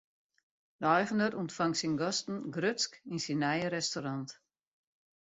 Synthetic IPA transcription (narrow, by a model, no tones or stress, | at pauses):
dɔjɣəndəɾuntfaŋsinɡɔstn̩ɡrøskinsinːɛjəɾɛstoɾant